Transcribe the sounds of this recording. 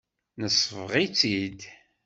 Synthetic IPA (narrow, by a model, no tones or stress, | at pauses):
nəsːvʁit͡sːid̪